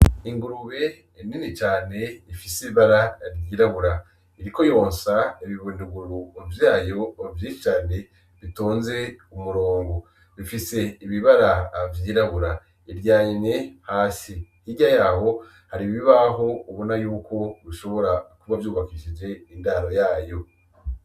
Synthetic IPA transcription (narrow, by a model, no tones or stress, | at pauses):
iŋɡuɾuβe̞ | ininit͡ʃaːne̞ifisiβiβaɾaɾɟiːɾaβuɾa | iɾiko̞jo̞ːnsaiβiβundiɡuɾuovjaːjo̞ovjiʃit͡ʃaːne̞ | βitoːnze̞umuɾoːŋɡo | βifise̞iβiβaɾavjiːɾaβuɾa | iɾjaːɲine̞haːsihiɟajaːho̞ | haɾiβiβaɦo̞uβonajuːko̞βiʃo̞βo̞ɾakuβavjuːβakiːʃid͡ʒe̞indaːɾo̞jaːjo̞